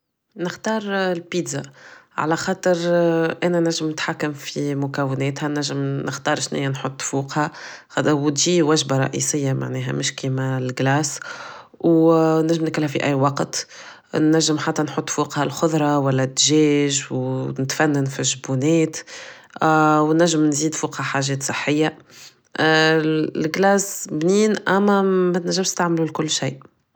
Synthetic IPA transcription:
nɪxt̪ɑːɾˤlpiːd̪zaʕa̰læxɑːt̪ˤəɾʔæːnænæʒːɪmnɪt̪ħakːamfimʊkæwːɪnɛːt̪hɛnæʒːɪmnəxt̪ɑːɾˤʃnɪ̰jːænħot̪ˤːfuːqhæ | wt̪ʒiːwæʒbaɾˤɑ̰ʔḭsɪjːama̰ʕnɛːɦæ̰mɪʃkiːmælɡlæːs | wnæʒːɪmnklhæfiʔæjːwɑqt̪ | nːæʒːɪmħat̪ːænħʊt̪ˤːfuːqhalxʊðˤɾˤɑwælːæt̪ːʒɛːʒwnɪt̪fænːanfiʒbunɛːt̪ | wnæʒːɪmnziːd̪fuːqhaħaːʒɛːt̪sˤɨħːɪjːa | lɡlæːsbniːnʔæmːæmæt̪næʒːɪmʃt̪aʕmlulkʊlːʃiːʔ

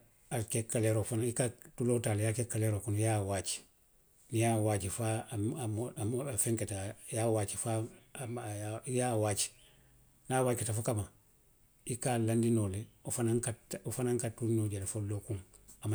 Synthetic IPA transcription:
akekːaleɾofanaikatulotaːlejakekːaleɾokunjawaːt͡ʃi̥ | nijawaːt͡ʃifa | feŋketajawaːt͡ʃifa | ajawaːt͡ʃi̥ | nawaːketafukama | ikalandinoleofanaŋkatofanaŋkatunoɟalfolokuŋ | ama

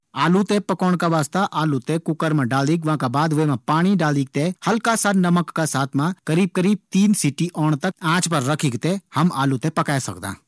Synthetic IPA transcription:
aːlut̪epɐkoːɽ̃kaʋaːst̪aʔaːlut̪ekʊkəɾmãɖaːliːkʋãkabaːd̪ʋeːmãpaːɽ̃iɖaːliːk̚t̪ehɐlkasaːɾnɐməkːasaːt̪ʰmãkɐɾiːb̚kəɾiːb̚t̪iːnsiʈiʔɔːɽ̃t̪ɐkãːt͡ʃpɐɾːɐkʰiːkt̪ehɐma̰ːlut̪epɐkaːesɐ̰kd̪ã̰ː

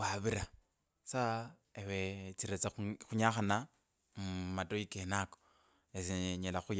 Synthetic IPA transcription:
waβiɾa | saewet͡siɾet͡saxuɲaxana | mumatojikenako̥ | esiɲelaxuj

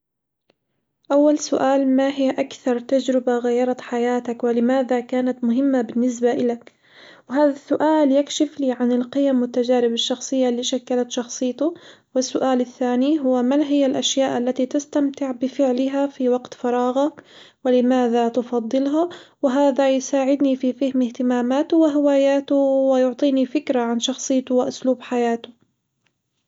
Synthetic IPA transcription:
ʔawːalsʊʔaːlmaɦɪjːaʔakθɑɾˤt̪ad͡ʒɾɪbaɣajːɑɾˤɑt̪ħajaːt̪akwɪlɪmaːðakaːnat̪mʊɦɪmːabɪnːɪs̬baʔɪlak | wɪɦaːðasːʊʔaːljakʃɪfliːʕanɪlqɪjamwɪt̪ːad͡ʒaːɾɪbaʃːɑxsˤɨjːalːiːʃakːalat̪ʃɑxsˤɨjːt̪ʊwɪsːʊʔaːlɪθːaːniɦʊwːamalɦɪjːalʔaʃjaːʔalːat̪it̪ast̪amt̪ɪʕbɪfɪʕlɪɦafiwaɡt̪fɑɾˤɑːɣak | wɪlɪmaːðat̪ʊfɑd̪ˤːɨlɦawɪɦaːðajsaːʕɪd̪nififahmɪht̪ɪmaːmaːt̪ʊwɪɦɪwaːjaːt̪ʊwɪjʊʕt̪ˤiːnifɪkɾaʕanʃɑxsˤɨːt̪ʊwɪʔʊsluːbħajaːt̪ʊ

